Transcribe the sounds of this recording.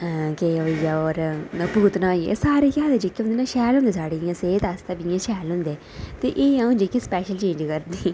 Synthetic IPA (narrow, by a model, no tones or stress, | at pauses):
keoijaːɔːɾnəpuːt̪nãːiḛsaːɾeːkaːd̪ed͡ʒikːeɦʊnd̪eːnãːʃɛːlɦʊ̃nd̪eːsaːɽejãːseːt̪ast̪abijãːʃɛːlɦʊ̃nd̪eː | t̪eːʔeːjãːʊ̃nd͡ʒiːkispɛːʃəlt͡ʃẽːɲd͡ʒkəɾd̪iː